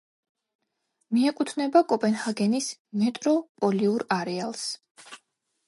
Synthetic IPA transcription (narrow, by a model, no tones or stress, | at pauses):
miɛkʼut̪ʰnɛbakʼɔpʼɛnhaɡɛnismɛt̪ʼɾɔpʼɔliuɾaɾɛalˠs